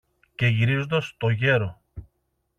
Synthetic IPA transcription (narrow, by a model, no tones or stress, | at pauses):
ce̞ʝiɾizo̞nd̪ɐst̪o̞ʝe̞ɾo̞